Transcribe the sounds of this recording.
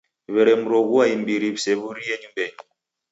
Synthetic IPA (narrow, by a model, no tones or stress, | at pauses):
βɛɾɛmuɾɔɣuaimbiɾibseβuɾieɲumbɛɲu